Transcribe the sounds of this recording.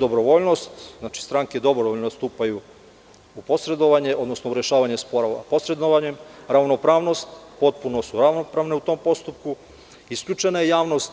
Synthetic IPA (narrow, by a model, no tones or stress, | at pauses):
d̪o̞bɾoʋoʎno̞st̪znaːt͡ʃi̥st̪ɾaŋked̪o̞bɾoʋoʎnost̪uːpaju | upo̞sɾe̞d̪o̞ʋaɲeʔo̞d̪no̞snouɾje̞ʃaːʋaɲe̞spoɾaapo̞sɾe̞d̪oʋaɲe̞mɾaʋno̞pɾaːʋno̞st̪po̞t̪̚puno̞suɾaʋno̞pɾaːʋne̞ut̪o̞ːmpo̞st̪up̚ku | iskʎʲut͡ʃe̞najejaːʋno̞st̪